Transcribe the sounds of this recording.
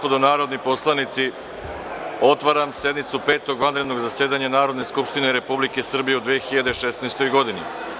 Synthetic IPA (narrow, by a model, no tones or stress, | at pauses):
pod̪onaːɾo̞d̪nipo̞slˠanit̪si | o̞t̪ʋaɾamse̞d̪mit̪supe̞ːt̪o̞ɡʋand̪ɾe̞d̪no̞ɡzaseːd̪aɲanaːɾo̞d̪ne̞skupʃt̪ineɾe̞publike̞sr̩bije̞ud̪ʋeːxiʎad̪e̞ʃesnaest̪o̞jɡo̞d̪inḭ